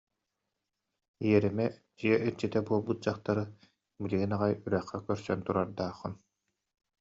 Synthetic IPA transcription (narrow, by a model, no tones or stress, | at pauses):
ijɛɾimɛ | d͡ʑiɛʔiɾt͡ɕit̪ɛbuɔlˠbut̪̚d͡ʑaχt̪aɾɯ | biliɡinaʁajyɾɛχːɛkœɾsœ̰nt̪uɾaɾd̪aːχːɯn